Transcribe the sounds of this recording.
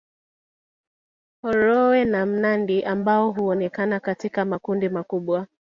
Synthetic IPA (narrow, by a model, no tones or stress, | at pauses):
hɔɾɔwɛnam̩nandiʔambaɔɦuɔnɛkanakatikamakundimakuɓwa